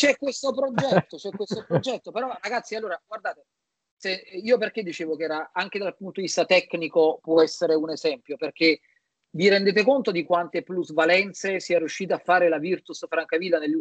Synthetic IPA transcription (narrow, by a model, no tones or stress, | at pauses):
t͡ʃɛkːwest̪opɾod͡ʒɛt̪ːot͡ʃɛkwest̪opɾod͡ʒɛt̪ːopeɾɔraɡat̪sːialːoːɾaɡward̪aːt̪e | seiːoperk̟ed̪ːit͡ʃeːvok̟eɛːɾaaŋk̟ed̪alpunt̪od̪ivist̪at̪ɛkːnikopwɔɛsːeɾeunezɛmpjoperk̟e | viɾɛnd̪eːt̪̬ekont̪od̪ikwant̪epluzvalɛnt̪sesiɛɾjuʃːiːt̪afːaːɾelavirt̪usfɾaŋkavilːanelːu